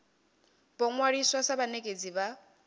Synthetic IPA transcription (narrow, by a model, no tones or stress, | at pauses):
bɔŋwaɺiswasaβanekʼed͡ziβa